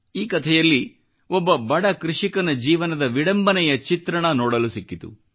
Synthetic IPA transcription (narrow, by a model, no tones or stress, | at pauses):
iːkɐt̪ʰɛjɐlːi | ɔbːɐbɐɽɐkɾuʂikɐnɐd͡ʒiːʋɐnɐd̪ɐʋiɽɐmbɐnɛjɐt͡ʃit̪ɾɐɳɐnoːɽɐlusikːit̪ṵ